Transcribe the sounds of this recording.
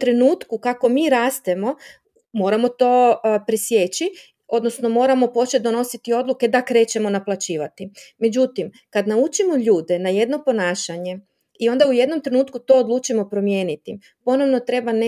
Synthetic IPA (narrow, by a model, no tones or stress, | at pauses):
t̪ɾe̞nuːt̪kukako̞miːɾaːst̪e̞mo̞ | mo̞ːɾamo̞t̪o̞pɾesjet͡ɕi | o̞d̪no̞sno̞mo̞ːɾamo̞po̞t͡ʃet̪̚d̪o̞no̞sit̪io̞d̪lˠuke̞d̪akɾe̞ːt͡ɕe̞mo̞naplˠat͡ɕiːʋat̪ime̞d͡ʑut̪im | kad̪naut͡ʃimo̞ʎuːd̪e̞naje̞d̪no̞po̞naːʃaɲe̞ | io̞nd̪auje̞d̪no̞mt̪ɾe̞nuːt̪kut̪o̞ːd̪luːt͡ʃimo̞pɾo̞mje̞ːnit̪i | po̞no̞ʋno̞t̪ɾe̞ban